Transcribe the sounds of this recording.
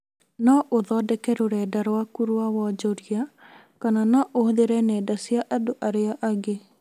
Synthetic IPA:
nɔʔoðɔdɛkɛɾoɾɛdaɾwakuɾwawɔd͡ʒɔɾia | kananɔʔohoðeɾɛnɛːdasiaʔadoʔaɾeaʔaɡe

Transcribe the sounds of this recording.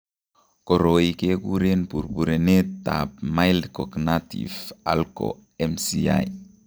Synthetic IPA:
koɾoikekuɾenpuɾbuɾenet̪ːa̰pmajldkoɡnatḭfa̰lko̰ | emsia̰j

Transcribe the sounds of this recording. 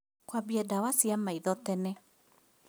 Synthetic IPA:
kwabjɛdawasiamaiðɔtɛnɛ

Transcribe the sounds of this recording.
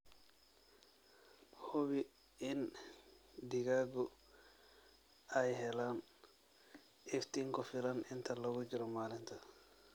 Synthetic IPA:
hɔβi | ɪn | diɡaɡɔ | ajɦɛlaːn | ɛft̪iŋkɔfilanɪnt̪ʰalɔɡud͡ʒiɾɔmaːlɪnt̪ʰa

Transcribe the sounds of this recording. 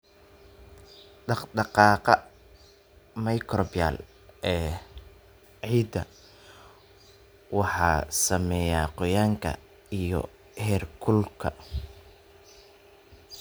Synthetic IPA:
ɖɑɖɑqɑːqɑ | mɐjkʰrɔbja̰l | ʔɛː | ʕiːd̪ɐ | wɑħɑːsɐmɛːjaːqɔjaːŋkʰɐ̰ | ijɔ̰ | hɛːrkʰʊlkʰɐ

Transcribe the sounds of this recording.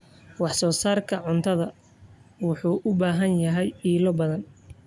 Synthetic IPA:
wɑħsɔːsaːrkʰɐʕʊnt̪ʰɐðɐ | wʊħuːʔʊbaːɦɐnjɐɦɛjiːlɔbɐðɐn

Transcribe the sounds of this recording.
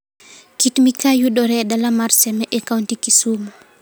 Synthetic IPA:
kitmikajudɔɾɛdalamaɾsɛmɛʔɛkawntikisumu

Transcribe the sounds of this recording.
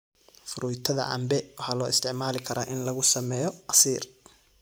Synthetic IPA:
fʊɾʔʊjt̪ʰɐðɐ̰ʔɐ̰mbɛwɑħɑːlɔːɪst̪ʰɪʕmaːlɪkʰɐɾaːʔɪnlɐɣʊsɐmɛːjɔqɑsiːr

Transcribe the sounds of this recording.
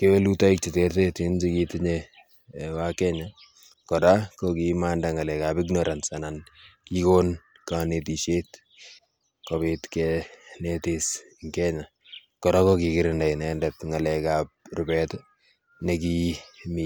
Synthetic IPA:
kewelutaik̚t͡ʃiteɾtetind͡ʒikitɪɲe | wakɛɲa | kɔdakokimandaŋalɛkabɪknɔɾansanankikon | kanetiʃet | kobitkɛnetis | ŋkɛɲa | kɔdakokikɪɾɪndajnɛndɛtŋalɛkap̚rʊbɛt | nekimi

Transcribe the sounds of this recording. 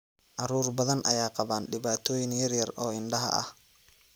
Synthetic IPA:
ʔɑɾuːrbɐðɐnʔɐ̰jaːqɑβaːnɖɪβaːt̪ʰɔːjɪnjɐrjɐrɔːɪnɖɐɦɐ̰ʔɐ̰h

